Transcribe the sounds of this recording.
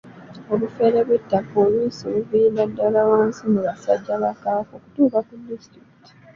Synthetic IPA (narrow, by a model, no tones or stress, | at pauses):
oβufeɾeβwe̞tːakoːlwiːsoβuviːnadːalawaːnsimuβasa̰ɟːaβakaːko̞ku̥tuːkakudːistɾiki̥ti̥